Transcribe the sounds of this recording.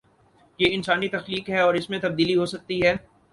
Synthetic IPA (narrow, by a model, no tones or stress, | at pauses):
jeːɪnsaːnit̪ɐxliːkɦɛɔːɾɪsmẽt̪ɐb̚d̪iːliɦoːsɐk̚t̪iɦɛː